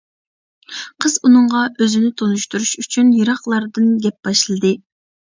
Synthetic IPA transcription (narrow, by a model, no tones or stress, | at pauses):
qʰəzunɨɴʁɑʔøzɪnɪt̪ʰonuʃt̪uɾuʃyt͡ʃʰynjɨɾɑχlˠɑɾd̪ɨnɡʲɛp̚b̥ɑʃlˠɨd̪ɨ